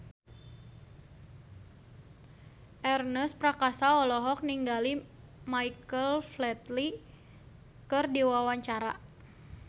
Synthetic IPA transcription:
ʔɛrnəspɾakasaɔlɔɦɔk̚niŋɡali | maikəlflɛt̪li | kɨrdiwawaɲt͡ʃaɾa̰

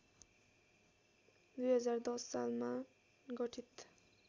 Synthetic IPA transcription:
d̪ujɦʌd͡zaɾd̪ɔssalma | ɡʌʈʰit̪

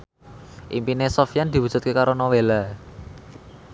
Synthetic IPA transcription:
ʔimpinesɔfjand̪̥i̤wu̥ʒ̥ṳt̪̚kekaɾonowela

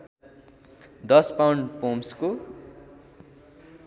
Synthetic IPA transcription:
d̪ʌspawɳɖpomsko

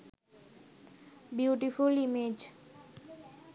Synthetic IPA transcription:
bjuːʈifulimed͡ʑ

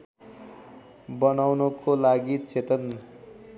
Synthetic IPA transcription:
bʌnawnʌkolaɡit͡set̪ʌn

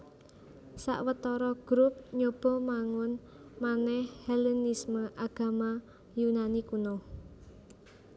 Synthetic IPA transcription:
sa̰ʔwət̪ɔɾɔɡ̥ɾup̚ɲob̥ɔ̤maŋʊn | manɛhhɛlɛnisməʔaɡ̥a̤ma | junanikunɔ

